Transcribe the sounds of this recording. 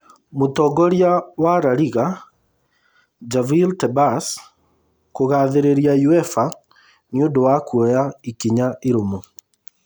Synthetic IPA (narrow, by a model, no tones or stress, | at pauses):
motɔɡɔɾjawaɾaɾiɣa | d͡ʒaviltɛbas | koɣaðeɾeɾjajuɛfa | niondowakwɔjaikiɲaeɾomo